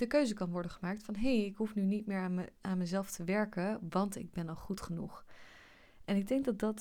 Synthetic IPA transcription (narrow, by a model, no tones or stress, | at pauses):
d̥əkøɥzəkɑnʋɔɹdəχəmaːk̚tfɑnɦejɪkɦufnynitmɪːɹaaːnmɛzɛlˠftəʋɛɹkəʋɑntɪ̰ɡ̚bɛnɑlˠχutχənuχ | ɛnɪɡ̚dɛŋk̚dɑt̚dɑt